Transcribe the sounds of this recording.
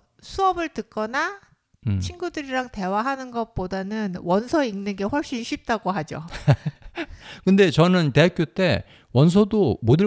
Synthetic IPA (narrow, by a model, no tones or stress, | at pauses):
sʰuʌbɯɭtɯk͈ʌna | t͡ɕʰinɡudɯɾiɾaŋte̞waɦanɯnɡʌt̚p͈odanɯnwʌnsʰʌiŋnɯnɡe̞ɸwʌɭɕ͈inɕʰɥip̚t͈aɡoɦad͡ʑo̰ | kɯnde̞t͡ɕʌnɯnte̞ak͈jot͈e̞ | wʌns̬ʰʌdomodɯ